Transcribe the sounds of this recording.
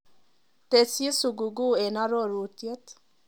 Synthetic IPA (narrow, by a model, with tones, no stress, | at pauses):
t̪e˨si˦su˨ɡu˨ɡu˦e˨na˦ɾo˦˨ɾu˨t̪je˦t̪